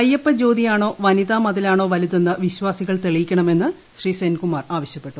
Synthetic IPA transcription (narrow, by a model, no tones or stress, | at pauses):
ɐjːɐpːɐd͡ʑoːd̪ijaːɳo̞ːʋɐniðaːmɐðilaːɳo̞ːʋɐliðenːɨʋiɕwaːsiɣɐɭt̪eɭijikʲːɐɳɐme̞nːɨ | ɕriːsenkumaːraːʋɐɕjɐpːe̞ʈːu